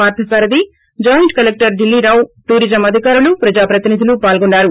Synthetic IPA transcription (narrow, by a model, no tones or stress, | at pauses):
aːɾt̪ʰɐsaːɾɐd̪i | d͡ʒɐːjɐɳʈkɐlek̚ʈɐɾɖilːiɾaːwʈuːɾid͡ʒɐmɐd̪ʱikaːɾulupɾɐd͡ʒaːpɾɐt̪inid̪ʱilupaːlɡuɳːaːɾu